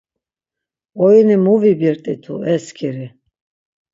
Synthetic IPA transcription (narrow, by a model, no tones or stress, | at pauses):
ɔinimuvibiɾt̪ʼit̪ʰṵɛskʰiɾi